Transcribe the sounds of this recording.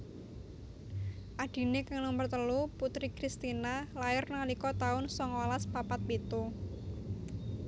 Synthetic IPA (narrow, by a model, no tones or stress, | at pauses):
ʔaɖ̥i̤nekaŋluŋmbərt̪əluput̪ɾikɾist̪inalaɪrnalikɔt̪aʊnsɔŋalaspapat̪̚bet̪o